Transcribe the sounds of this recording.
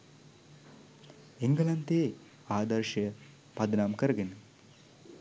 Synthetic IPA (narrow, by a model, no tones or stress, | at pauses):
eŋɡəlɐnt̪eː | aːd̪ɐɾʂɐjə | pɐd̪naːmkəɾəɡenə